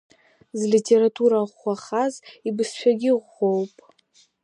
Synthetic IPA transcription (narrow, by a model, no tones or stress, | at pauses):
zlitʰe̞ɾatʰuɾaʁʷːaχazibɨsʃʷᶣaɡʲɪʁʷːowpʼ